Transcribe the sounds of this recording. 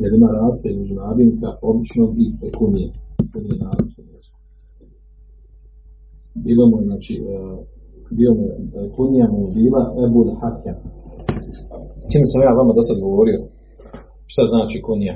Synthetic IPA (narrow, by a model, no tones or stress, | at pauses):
jelimaːɾaːzt̪aizmed͡ʒunaːd̪ink̪aoblit͡ʃnoːmikunijekunijenaːlit͡ʃoaːt͡ʃi | biːlomojenaːt͡ʃi | biːomojekunijamojebiːlaʔebulhat̪ja | t͡ʃ̪iːmesamjaːʋamad̪osad̪ɡo̞ʋo̞ɾio̞ | ʃt̪aznaːt͡ʃiːkunija